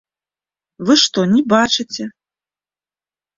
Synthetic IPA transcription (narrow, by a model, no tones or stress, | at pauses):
vɨʂt̪ɔnʲɛbat͡ʂɨt͡sʲɛ